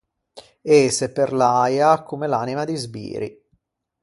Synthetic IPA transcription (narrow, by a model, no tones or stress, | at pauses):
eseperlajakːomelaːnimad̪izbḭːɾḭ